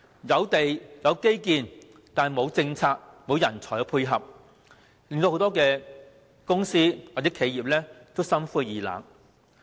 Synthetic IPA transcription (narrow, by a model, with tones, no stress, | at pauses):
jɐ˨˧wt̪e˨jjɐ˨˧wke˥jkiː˧n | t̪aː˨mo˨˧wt͡sɪ˧ŋt͡sʰaː˧k̚mo˨˧wjɐ˨˩nt͡sʰɔː˨˩jɐ˨˧wpʰuː˧jɦɐ˨p̚ | lɪ˨˧ŋt̪o˧ho˨˥wt̪ɔː˥kɛː˧ | kʊ˥ŋsiː˥wa˨˩t͡sɛː˨˥kʰe˨˧jiː˨˩p̚lɛː˥t̪o˥wsɐ˥mfuː˥jiː˨la̰ː˨˩ŋ